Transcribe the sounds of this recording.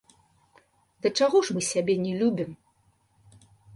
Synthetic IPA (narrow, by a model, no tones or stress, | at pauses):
d̪ɐt͡ʂaɣɔʂmɨsʲabʲɛnʲɛlʲubʲim